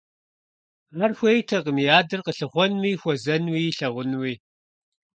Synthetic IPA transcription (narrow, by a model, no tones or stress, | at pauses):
ɐrxʷejtʰɐqəmijaːdɨrqəɬɨχʷɔnwiːxʷɔzɐnwiːɬɐʁʷʊnwiː